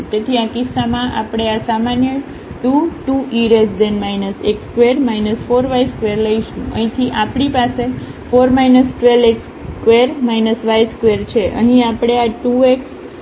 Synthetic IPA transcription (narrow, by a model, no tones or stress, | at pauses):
tet̪ʰiãkɪsːamãʔapɽ̃easamanjə | ʈuʈuʔiɾesd̪ɛnmajnəsekskʋeɾmajnəsfoɾʋajskʋeɾləiʃũə̰ɦĩt̪ʰiʔapɳipase | foɾmajnəsʈʋeleks | kʋeɾmajnəsʋajskʋeɾt͡ʃʰeʔə̰ɦĩapɽ̃eaʈueks